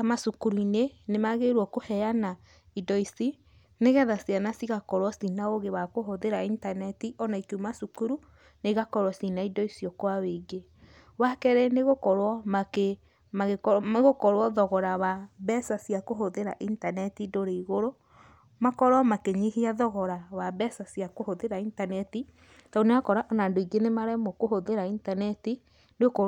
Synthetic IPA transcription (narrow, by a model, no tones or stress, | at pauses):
amasukuɾunenemaɣeɾwɔkohɛjana | idɔisi | neɣɛðasianasiɣakɔɾwɔsinaoɣeβakoɦoðeɾaintanɛtiʔɔnaikumasukuɾu | neɣakɔɾwasinaidɔisiɔkwaweɡe | wakɛɾɛneɣokɔɾwɔmake | maeɣokɔɾwɔðɔɣɔɾawabɛsasjakoɦoðeɾa̰ʔintanɛtidoɾeiɣoɾo | makɔɾwɔmakeɲihiaðɔɣɔɾawabɛsasjakohoðeɾaintanɛti | taoneɣakɔɾaʔɔnandoiɡenemaɾɛmɔkohoðeɾaintanɛti | neokɔ